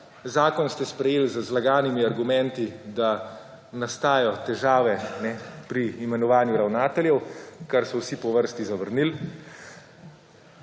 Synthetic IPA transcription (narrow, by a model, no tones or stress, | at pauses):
zaːkɔnst̪ɛspɾɛjeːlzəzlaɡaːnimiaɾɡumɛ̃nt̪id̪a | nast̪aːjɔt̪ɛʒaːʋɛnɛpɾiːmɛnɔʋaːnjuɾawnaːt̪ɛljɛwkaɾsɔwsipɔʋəɾst̪izaʋəɾnil